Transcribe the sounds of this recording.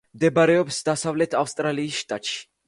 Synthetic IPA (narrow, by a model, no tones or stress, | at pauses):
md̪ɛbaɾɛɔpsd̪asavlɛt̪ʰafst̪ʼɾaliːsʃt̪ʼat̪ʼʃi̥